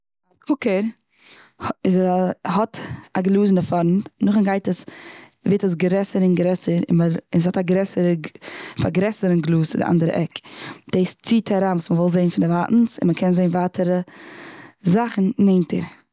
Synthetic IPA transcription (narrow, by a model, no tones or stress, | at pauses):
dɪkʰʊkəɾ | ɪzhɔtaɡlˠuːsnəfɔɾn̩tnʊχənɡaɪtəs | veɪtəs̬ɡɾɛsəɾɪnɡɾɛsəɾɪ̰əɪnshɔtaɡɾɛsəɾəfa̰ɡɾɛsəɾənɡlˠuːsɪdɪʔa̰ndəɾə̰ʔɛkd̥eɪst͡siːtʰaɾaːnvuːsməvɔlˠzeɪnfɪndɪvaʔn̩sɪ̰nməkʰɛnzeɪnvaːtʰəɾə | zaχn̩neɪntʰə̰ɾ